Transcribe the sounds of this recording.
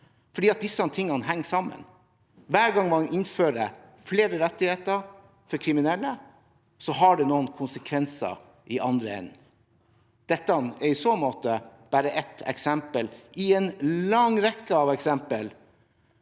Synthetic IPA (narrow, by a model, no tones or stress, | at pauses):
fɔɖiːɑt̪̚d̪ɪsːɑt̪ʰɪŋːɑnəɦɛŋːsɑmːə̰n | ʋæːɾɡɑŋmɔɑnʔɪnføːɾə | fleːɾəɾɛt̪ːɪheːt̪əɾ | fɔɾkʰɾɪmɪnɛlːə | sɔɦɑɖɛnoːənkʰʊnsəkʰʋɛnsə̰ | ʔɪʔɑnd̪ɾəɛ̰n | d̪̥ɛt̪ːəɑnɛɾɪsoːmoːt̪əb̥æːɾəʔɛt̪ɛ̰ksɛmpəlɪɛnlɑŋɾɛkːəɑʋɛksɛmpəl